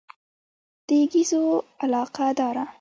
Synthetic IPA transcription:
d̪̥əɡizoalɑqad̪ɑɾa

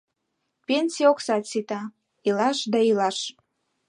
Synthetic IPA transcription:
penʲsʲioksɑt̪sit̪ɑ | ilɑʃd̪ɑilɑʃ

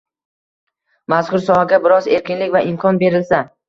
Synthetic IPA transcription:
mazkʰʊɾsɒhaɡʲabɪɾɒze̞ɾkʲɪnlɪkʲvaʔɪmkʰɒnbe̞ɾɪlsa

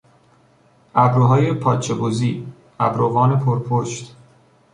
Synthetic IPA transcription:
ʔæbɾoɦɒːjepʰɒːt͡ʃʰeboziː | ʔæbɾoɣɒːne̞pʰoɾpʰoʃt̪

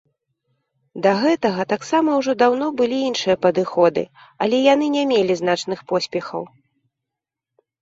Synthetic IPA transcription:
d̪ɐɣɛt̪ɐɣɐt̪aksamɐwʐɔd̪awn̪ɔbɨlʲiinʂɨjɐpɐd̪ɨxɔd̪ɨ̰ | ɐlʲɛjan̪ɨnʲɛmʲelʲizn̪at͡ʂn̪ɨxpɔsʲpʲɛxɐ̰w

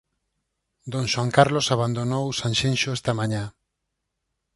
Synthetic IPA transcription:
d̪õŋʃwaŋkaɾlosaβand̪onowsãnʃẽnʃoest̪amaɲã

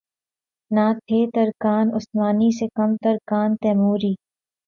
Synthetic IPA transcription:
naːt̪ʰeːt̪ɐɾkaːnʊsmaːnisekɐmt̪ɐɾkaːnt̪ɛːmuːɾiː

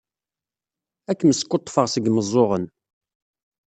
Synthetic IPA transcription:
ækːəməskːot̪ˤːfəʁsəɡməzˤːoʁən

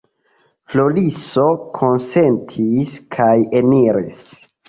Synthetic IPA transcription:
flo̞liso̞kʰo̞nse̞ntʰiskʰajeniɾis

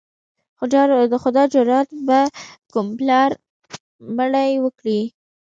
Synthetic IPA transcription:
d̪əxʊd̪ɑd͡ʒʊɾɑt̪̚bakʊmplɑɾ | məɽajwəkɽi

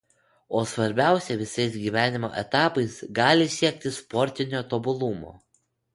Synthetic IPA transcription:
oːsʋɐɾʲbʲæˑʊsʲɛʋʲɪsɐɪs̬ɡʲiːʋʲæːnʲɪmo̰ːʔɛt̪ɑːpɐɪsɡɑːlʲɪsʲiɛk̚ʲt̪ʲɪspɔɾʲt̪ʲɪnʲoːt̪obʊlˠʊmo̰ː

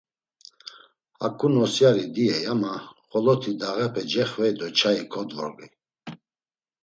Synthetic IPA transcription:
a̰kʼunɔsjaɾid̪iɛjamaχɔlɔt̪ʰid̪aɣɛpʰɛd͡ʒɛχvɛd̪ɔt͡ʃʰaikʰɔd̪vɔ̰ʁi

